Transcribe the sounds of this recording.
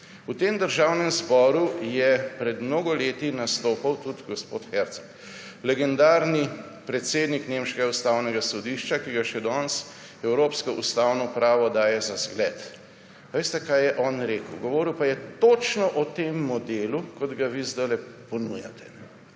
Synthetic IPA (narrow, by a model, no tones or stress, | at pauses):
ut̪eːmd̪əɾʒaːwnɛmzbɔːɾujɛpɾɛd̪mnoːɡɔleːt̪inast̪oːpawt̪ut̪ɡɔspo̰t̪xɛɾt̪sɔ̥k | lɛɡɛnd̪aːɾni | pɾɛt̪seːd̪niknemʃkɛɡaust̪awnɛɡasɔd̪iʃt͡ʃakiɡaʃɛd̪ɔns | ɛwɾoːpskɔʔust̪awnɔpɾaːʋɔd̪aːjɛzazɡlɛːt̪ | ʋest̪ɛkajɛʔɔnɾeːkəwɡɔʋɔːɾiwpajɛt̪ot͡ʃnɔʔɔt̪emːɔd̪eːlukɔd̪ɡaʋizd̪əlɛpɔnujat̪ɛ̥nɛ